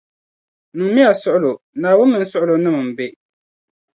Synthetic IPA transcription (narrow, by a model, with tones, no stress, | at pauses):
nɨ˨ŋmi˦a˨sʊ˦ʔʊ˦lo˨ | naː˨wʊ˦nːɨ˨n̩˦sʊ˦ʔʊ˦lo˨nɨ˦mɨ˨m˨be˦